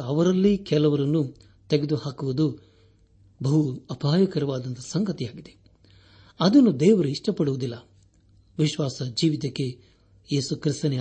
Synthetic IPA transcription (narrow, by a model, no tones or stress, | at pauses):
ɐʋɐɾɐlːikɛlɐʋɐɾɐnːu | t̪eɡed̪uhaːkuʋud̪u | bɐɦuɐpʰaːjɐkɐɾɐʋaːd̪ɐnt̪ɐsɐŋɡɐt̪ijaːɡid̪e̞ | ɐd̪ɐnːud̪ɛːʋɐɾuiʂʈɐpɐɽuʋud̪ilːɐ | ʋiʃʋaːsɐd͡ʒiːʋit̪ɐkːe̞ | je̞ːsukɾist̪ɐne